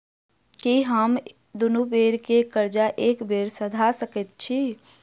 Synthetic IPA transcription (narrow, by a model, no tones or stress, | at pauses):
kiɦəm | d̪ʊnubeːɾkekəɾd͡ʒaʔeːkbeːɾsəd̪ʱasəkət̪̚t͡ʃʰi